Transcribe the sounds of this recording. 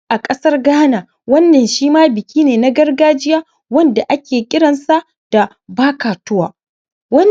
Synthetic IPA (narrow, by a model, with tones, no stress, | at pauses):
ʔa˨kʼɐ˦sɐ˦rɡaː˦na˨ | wɐ˦nːɐ˨nʃiː˦maː˦bɪ˨kʲiː˦neː˨na˦ɡɐ˦rɡaː˦d͡ʒɪ˦jaː˦ | wɐ˦nda˨ʔa˦kʲeː˨kʲʼɪ˦ɽɐ˨nsa˦ | d̥a˨ | baː˦kaː˨tʊ˦waː˨ | wɐ˦n